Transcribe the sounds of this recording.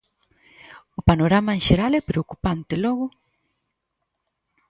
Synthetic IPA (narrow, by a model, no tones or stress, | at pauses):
opanoɾamanʃeɾalepɾeokupant̪eloɣo